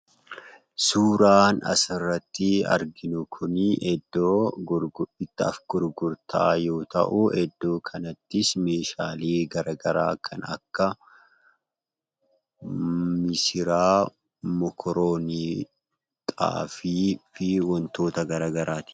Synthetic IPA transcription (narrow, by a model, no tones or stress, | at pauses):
suːɾaːnɐ̰sɪrːɐt̪ːɪɐ̰ɾɡɪnʊkʰʊniʔɛd̪ːoː | ɪt̪ːɐɐfɡ̥ʊɾɡʊɾt̪ʰɐ̰ʔɐjo̞ːt̪ɐ̰ʔʊʔɛd̪ːo̞ːkʰɐnɐt̪ːɪsme̞ːʃaːliːɡɐɾaːɡɐɾa̰ːkʰɐnɐkːɐ | mɪsɪɾaː | mɔkʰɔɾoːniː | t̪ʼa̰ːfiːfɪwɔnt̪o̞ːt̪ɐɡɐɾaːɡɐɾaːt̪ɪ̥